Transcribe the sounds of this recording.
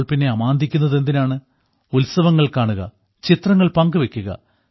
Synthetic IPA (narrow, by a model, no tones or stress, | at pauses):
ɭpinːe̞ɐmaːnd̪ʱikʲːunːɐðe̞nd̪inaːɳɨ | ulsɐʋɐŋːɐɭkaːɳuɣɐ̰ | t͡ɕit̪rɐŋːɐɭpɐŋɡɨʋe̞kʲːuɣɐ̰